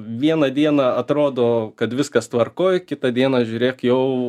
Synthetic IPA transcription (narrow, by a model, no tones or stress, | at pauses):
ʋʲiɛnɐd̪ʲiɛnɐɐt̪ɾoːd̪oːkɐt̪ʋʲɪskɐst̪ʋɐrkoːjkʲɪt̪ɐd̪ʲiɛnɐʒʲuːɾʲeːkjɛʊ